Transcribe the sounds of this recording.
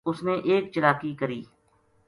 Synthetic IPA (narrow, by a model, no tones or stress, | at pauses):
ʊsneʔeːkt͡ʃəlaːkikɐɾiː